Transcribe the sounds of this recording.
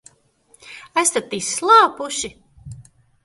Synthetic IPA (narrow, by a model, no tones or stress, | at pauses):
ast̪at̪isːlˠɑːpuʃi